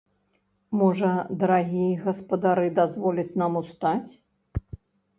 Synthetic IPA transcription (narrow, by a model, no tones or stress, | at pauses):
mɔʐɐd̪ɐɾaɣʲijɛɣɐspɐd̪aɾɨd̪azvɔlʲɐt͡sʲnamust̪at͡sʲ